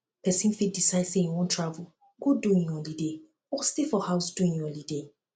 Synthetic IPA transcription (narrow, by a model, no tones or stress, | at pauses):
pʰɛsĩnfit̚disaɪsejwɔ̃ntʰɹavʊ | ɡoduĩŋjɔ̃lide | ɔstifɔhaʊsduĩŋjɔ̃lide